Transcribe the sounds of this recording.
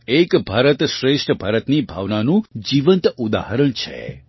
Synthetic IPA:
ekbʱaɾət̪ʃɾeʃʈʰəbʱaɾət̪nibʱa̰ʋnanũd͡ʒiʋənt̪ud̪a̰ɦəɾəɳt͡ʃʰḛ

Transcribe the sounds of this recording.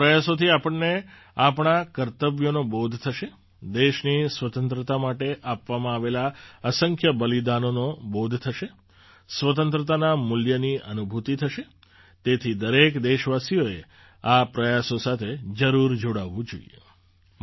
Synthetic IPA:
pɾəjasot̪ʰiapəɳne | apɳ̃akəɾt̪əʋjonobod̪ʱt̪ʰəʃe | d̪eʃnisʋət̪ə̃nt̪ɾət̪amaʈeʔapʋamãaʋelaəsəŋkʰjəbəlid̪anonobod̪ʱt̪ʰəʃe | sʋət̪ənt̪ɾət̪anamʊljəniənubʱut̪it̪ʰəʃe | t̪et̪ʰid̪əɾekd̪eʃʋasijoe | apɾəjasosat̪ʰed͡ʒəɾuɾd͡ʒoɽaʋũd͡ʒo̰ḭjḛ

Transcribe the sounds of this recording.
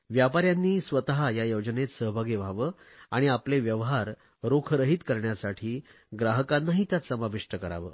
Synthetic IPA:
ʋjapaɾjanːiːsʋət̪aɦajajəwd͡ʑənet̪səɦbʱaɡeʋ̤ʱaʋəː | aɽ̃iapleʋjəʋɦaɾ | ɾokʰɾəɦiːt̪kəɾɳjasaʈʰiː | ɡɾaɦəkanːaɦit̪jat͡səmabiʂʈəkəɾa̰ʋə̰ː

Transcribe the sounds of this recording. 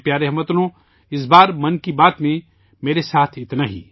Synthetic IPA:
pjaːɾeɦɐmət̪nõ | ɪs̬baːɾmɐnkibaːt̪mẽ | meːɾesaːt̪ʰɪt̪naɦḭː

